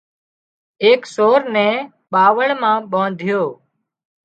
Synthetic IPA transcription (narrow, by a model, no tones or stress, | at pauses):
eːksoːɾnɛ̃ː | ɓaːʋəɭmãːɓõːd̪ʱɪjoː